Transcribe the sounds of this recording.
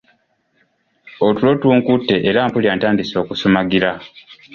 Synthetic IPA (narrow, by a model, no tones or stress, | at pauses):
otulo̞tuːŋkutːe̞ʔːɾaːmpuljaːntaːndiso̞ːkusomaɡiɾa